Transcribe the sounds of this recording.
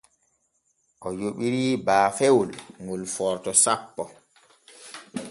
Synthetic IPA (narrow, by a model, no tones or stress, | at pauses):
ʔɔjoɓiɾiːbaːfewulŋulfɔɾtɔsapːɔ